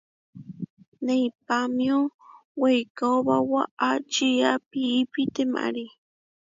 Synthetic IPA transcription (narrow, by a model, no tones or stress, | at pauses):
nejpamjowejkaobawaʔat͡ʃijapiːpit̪ema̰ɾi